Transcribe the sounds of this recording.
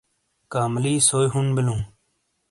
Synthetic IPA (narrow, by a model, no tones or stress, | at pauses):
kaːmliːsoːjɦʊnbɪlũː